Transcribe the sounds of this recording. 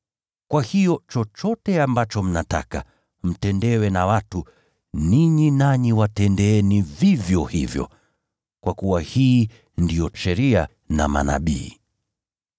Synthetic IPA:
kwahijɔt͡ʃɔt͡ʃɔtɛambat͡ʃɔm̩nata̰ka | m̩tɛndɛwɛnawatu | niɲinaɲiwatɛndɛɛnivivjɔhivjɔ̰ | kwʔakuwahiː | ndijɔʃɛɾia | na̰ma̰na̰ɓḭː

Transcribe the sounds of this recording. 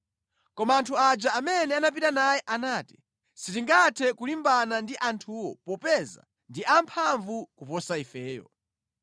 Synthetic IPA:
kɔmaːntʰuad͡ʒaamɛnɛanap̬itanajɛʔanaːti̥ | sitiŋɡatʰɛkulimbanandiʔantʰuwɔ̰pɔpɛza̰ | ndiʔampʰaɱvukupɔsaifɛːjɔ̰

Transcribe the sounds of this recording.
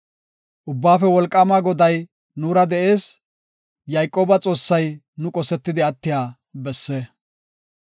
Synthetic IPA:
ʔʊbːaːfɛwɔlkʼːɐmaɡɔd̪ɐj | nuːɾɐd̪ɛʔe̞ːs | jɐjkʼo̞ːbɐt͡sʼo̞ːsːɐj | nʊkʼɔsɛt̪ːɪd̪ɪɐt̪ːɪjaː | bɛsːɛ

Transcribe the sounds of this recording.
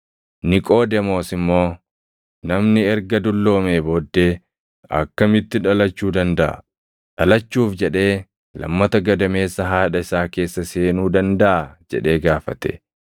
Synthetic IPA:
nɪkʼo̞ːd̪ɛmo̞ːsɪmːo̞ː | nɐmnɪɛɾɡɐd̪ʊlːo̞ːmeːboːd̪ːeː | ɐ̰kːɐmɪt̪ːɪᶑɐlɐt͡ʃːuːd̪ɐnd̪ɐʔɐ̰ | ᶑɐlɐt͡ʃːuːfd͡ʒɛᶑe̞ː | lɐ̰mːɐt̪ɐɡɐd̪ɐme̞ːsːɐɦaːᶑɐɪsaːke̞ːsːɐseːnuːd̪ɐnd̪ɐʔɐd͡ʒɛ̰ᶑe̞ːɡaːfɐt̪ɛ̥̰

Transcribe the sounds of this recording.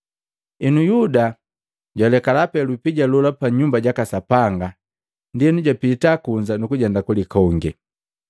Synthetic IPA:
inujuda | ɟwalɛkalapɛlupiɟalɔlapaɲumbaɟakasapaŋɡa | ndiɛnuɟapitakuɲd͡ʒanukuɟɛndakulikɔŋɡɛ

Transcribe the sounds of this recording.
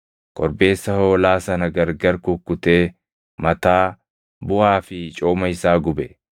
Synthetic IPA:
kʼɔɾbe̞ːsːɐho̞ːlaːsɐnɐɡɐɾɡɐɾkʊkːʊt̪e̞ː | mɐt̪aː | bʊʔaːfɪt͡ʃʼoːmɐɪsaːɡʊbɛ

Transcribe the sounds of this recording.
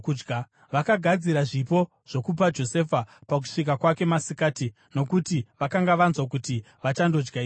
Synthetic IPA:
kud͡ʒɡa | ʋakaɡʱad͡ziɾaʐipo̞ | ʐ̥o̞kup̬ad͡ʒo̞se̞fapak̬u̥ʂik̬akwake̞masikaːti | no̞kutiʋakaŋɡaʋanzwak̬uti | ʋat͡ʃando̞d͡ʒɡai

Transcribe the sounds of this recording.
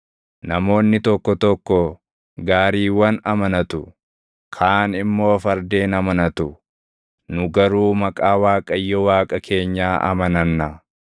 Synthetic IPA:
nɐmo̞ːnːɪt̪ɔkːɔt̪ɔkːɔ | ɡaːɾiːwɐnɐmɐnɐt̪ʊ | kʰaːnɪmːo̞ːfɐɾd̪e̞ːnɐmɐnɐt̪ʊ | nʊɡɐɾuːmɐkʼaːwaːkʼɐjːɔwaːkʼɐkʰe̞ːɲːaːʔɐ̰mɐnɐnːɐ

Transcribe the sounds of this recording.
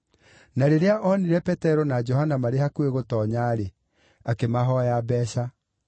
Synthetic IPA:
naɾeɾeaʔɔniɾɛpɛtɛɾɔnad͡ʒɔhanamaɾehakueɣotɔːɲaɾe | akemaɦɔjabɛːɕa

